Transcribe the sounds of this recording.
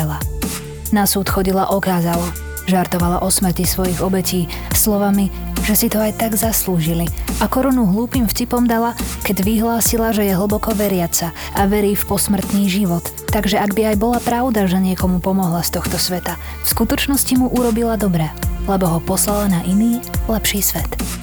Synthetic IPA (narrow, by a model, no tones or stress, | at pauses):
la | nasuːt̪xɔɟilaʔɔkaːzala | ʒaɾt̪ɔʋala̰ʔɔsmr̩cisʋɔjiɣɔbɛciː | slɔʋamiʒ̥ɛsit̪ɔajt̪aɡzasluːʒiliʔakɔɾɔnuɦluːpiːmfcipɔmd̪alakɛɟʋiɦlaːsilaʒɛjɛɦl̩ˠbɔkɔʋɛɾɪat͡sa | ʔaʋɛɾiːfpɔsmr̩t̪niːʒiʋɔt̪ːaɡʒɛaɡbiajbɔlapɾaʊd̪aʒɛɲɪɛkɔmupɔmɔɦlast̪ɔxt̪ɔsʋɛt̪a | fskut̪ɔt͡ʃnɔscimuʔuɾɔbilad̪ɔbɾɛlɛbɔɦɔpɔslalanaʔiniːlɛpʃiːsʋɛt̪